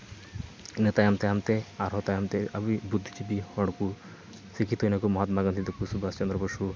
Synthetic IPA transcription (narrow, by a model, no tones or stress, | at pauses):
net̪ajamt̪eamt̪eaɾɦɔt̪ajamt̪eʔabibud̪ʱːit͡ʃibihɔɽku | sikʰit̪ojnakumɔɦat̪maɡant̪ʰit̪ekusubast͡ʃɔnd̪ɾɔboʃu